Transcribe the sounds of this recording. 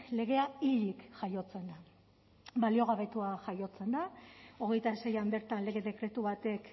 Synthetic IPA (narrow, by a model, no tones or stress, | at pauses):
kle̞ɣ̞e̞aiʎikʝajo̞t͡se̞nd̪a | balio̞ɣ̞aβe̞t̪uaʝajo̞t͡se̞nd̪ao̞ɣ̞e̞jt̪ase̞jambe̞ɾt̪anle̞ɣe̞ðe̞kɾe̞t̪uβat̪e̞k